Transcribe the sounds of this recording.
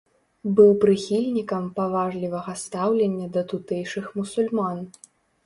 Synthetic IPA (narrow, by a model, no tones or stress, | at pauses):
bɨwpɾɨxʲilʲnʲikɐmpavaʐlʲivɐɣɐst̪awlʲenʲːɐd̪ɐt̪ut̪ɛjʂɨxmusulʲman